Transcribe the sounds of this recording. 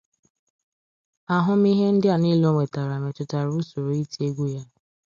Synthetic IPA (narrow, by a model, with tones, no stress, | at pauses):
a˨ɦʊ˦m˦i˦ɦe˦n̩˦dɪ˦a˨ni˦lo˦ŋe˨ta˨ɾa˨nʊ˨t͡ʃʊ˨ta˨ɾu˦so˨ɾo˨i˦te˦ɡʷu˦ja˦